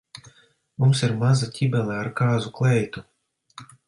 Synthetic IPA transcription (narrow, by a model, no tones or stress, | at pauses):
mumsiɾmazatʲʰibɛlˠɛaɾkaːzuklˠɛjt̪u